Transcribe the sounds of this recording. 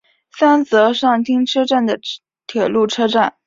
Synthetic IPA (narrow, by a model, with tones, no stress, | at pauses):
sa˥nt͡sɤ˧˥ʂɑ˥˩ŋt̪ʰi˥ŋʈ͡ʂʰɤ˥ʈ͡ʂa˥˩nd̪ə˩ | t̪ʰjɛ˨˩lu˥˩ʈ͡ʂʰɤ˥ʈ͡ʂa˥˩n